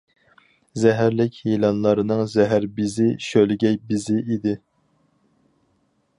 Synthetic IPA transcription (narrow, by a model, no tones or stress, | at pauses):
zɛɦæɾlɪkʲhilˠɑnlˠɑɾɨnɨŋzɛɦæɾbɪzɪʃølɪɡʲɛjbɪzɪʔid̪ɪ